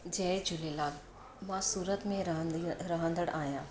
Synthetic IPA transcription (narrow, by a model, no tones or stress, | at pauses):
d͡ʑɛːd͡ʑʊlelaːɡ | mãsuːɾət̪mẽɾɐɦə̃nd̪əɽaːɦjãː